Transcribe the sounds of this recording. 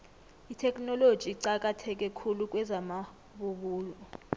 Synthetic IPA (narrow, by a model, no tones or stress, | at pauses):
itʰɛkʼnɔlod̥ʒ̥ʱiǀak̬ʼatʰɛk̬ʼɛkʰuluk̬ʼwɛzama | ɓuɓuːlɔ